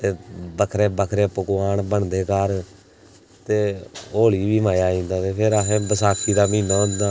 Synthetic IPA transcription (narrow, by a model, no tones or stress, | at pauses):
t̪eːbəkʰɾeːbəkʰɾeːpəkːaːɳbəɳd̪eːkaɾ | t̪eːoːliːʋiːmaːjaːĩːnd̪aːt̪eːpʰɪɾeːbəsaːkiːd̪aːmĩːnaːʊ̃nd̪aː